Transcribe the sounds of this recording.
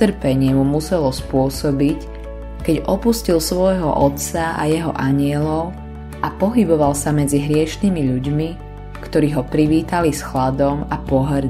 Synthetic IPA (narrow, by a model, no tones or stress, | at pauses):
t̪r̩pɛɲɪɛmumusɛlɔspʊɔsɔbic | kɛɟʔɔpuscilsʋɔjɦɔ̰ʔɔt̪saʔa̰jɛɦɔʔaɲɪɛlɔʊ | ʔapɔɦibɔʋalsamɛd͡ziɦɾɪɛʃniːmiʎuɟmi | kt̪ɔɾiːɦɔpɾiʋiːt̪alisxlad̪ɔmapɔɦɾ